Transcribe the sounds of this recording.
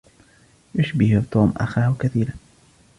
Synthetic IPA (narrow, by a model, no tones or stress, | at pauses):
jʊʃbɪht̪uːmʔa̰xaːhʊkaθiːɾa